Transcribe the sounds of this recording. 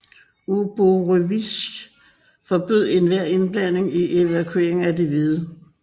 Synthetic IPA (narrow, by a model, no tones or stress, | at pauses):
ub̥oʁøʋis | fɒb̥yð̞̰ˠe̝nʋæɐ̰e̝nb̥læn̰e̝ŋiʔe̝ʋækʰue̝ɐ̰eŋ̩æd̥eʋið̞̩ˠə